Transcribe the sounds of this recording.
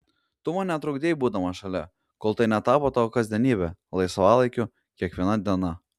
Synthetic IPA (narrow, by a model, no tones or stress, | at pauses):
t̪ʊmɐnʲɛt̪ɾʊɡd̪ʲeːjbuːd̪ɐmɐʃɐlʲɛ | koːlˠt̪ɐɪnʲɛt̪ɑːpot̪ɑkɐzʲd̪ʲɛnʲiːbʲɛlˠɐɪsʋɑːlˠɐɪkʲʊ | kʲiɛkʋʲiɛnɐd̪ʲiɛnɐ